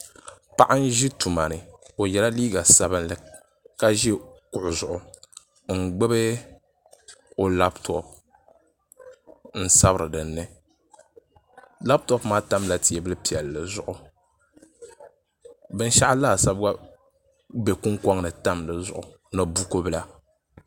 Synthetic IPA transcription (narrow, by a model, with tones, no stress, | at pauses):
pa˦ʔa˦n˦ʒi˦tu˨ma˨nɨ˨o˨jɛ˨la˦liː˦ɡa˨sa˦bɨ˦nlɨ˨ | ka˦ʒi˦e˦˨kʊ˨ʔʊ˨zʊ˨ʔʊ˨ | ŋ̩˨ɡ͡bɛ˦bɨ˦ | o˨la˦btʰɔ˨p̚ | n̩˦sa˦bɾɨ˨dɨ˨nːɨ˦ | la˦btɔ˦pmaː˦ta˦mla˨ti˨ɛ˨bɨ˦lɨ˦pi˨ɛ˨lːɨ˨zʊ˨ʔʊ˨ | bɨ˦n˦ʃa˦ʔa˦laː˦˨sa˦bɡa˦ | be˨ku˦ŋkɔ˦ŋnɨ˨ta˦mlɨ˨zʊ˨ʔʊ˨ | nɨ˨bu˦ko˦bɨ˦la˦